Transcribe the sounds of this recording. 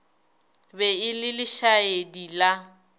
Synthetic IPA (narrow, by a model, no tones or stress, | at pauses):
bɛɪlɪlɪʃaedila